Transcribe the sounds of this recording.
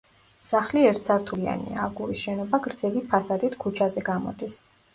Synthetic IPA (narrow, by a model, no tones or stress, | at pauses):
saχliɛɾt̪ʰsʰaɾt̪ʰulia̰nḭaːɡuɾisʃɛnɔbaɡɾd̪zɛvipʰasad̪it̪ʰkʰut͡ʃʰazɛɡamɔ̰d̪is